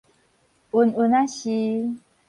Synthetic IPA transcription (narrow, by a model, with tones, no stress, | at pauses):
u˨˧nu˧na˦ɕi˧